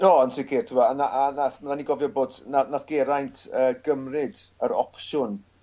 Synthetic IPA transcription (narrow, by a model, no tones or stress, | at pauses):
ɔːənsɪkʰɪːrtʰɪwanaʔanaθmaɾaniɡɔvjɔboːdnanaθɡ̥ɛɾajntʰəːɡəmrɪdəɾɔ̰kʃʊn